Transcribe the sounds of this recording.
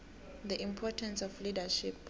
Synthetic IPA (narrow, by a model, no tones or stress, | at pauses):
ðiʔĩmpʰɔtʰɛ̃nsɔflidaʃip